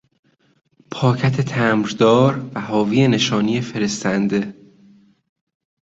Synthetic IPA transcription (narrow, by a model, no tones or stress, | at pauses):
pʰɒːcʰæt̪ʰet̪ʰæːmɾd̪ɒːɾvæhɒːviːene̞ʃɒːnijefe̞ɾe̞st̪ænd̪e̞